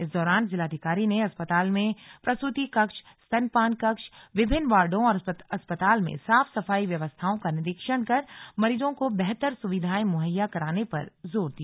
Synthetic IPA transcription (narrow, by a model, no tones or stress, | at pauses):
ɪsd̪ɔːɾaːnd͡ʒɪlaːd̪ʱɪkaːɾineɐspət̪aːlmẽpɾɐst̪ʊt̪ikɐkʃ | st̪ɐnpaːnkɐkʃʋɪbʱɪnːʋaːɾɖõɔːɾɐspət̪aːlmḛ̃saːfsɐfaːiʋjɐʋəst̪ʰaõkanɪɾɪkʃəɽ̃kɐɾmɐɾiːd͡ʒõkobɛɦt̪əɾsʊʋɪd̪ʱaːimʊɦəjːakɐɾaːnepɐ̰ɾzoːɾd̪ija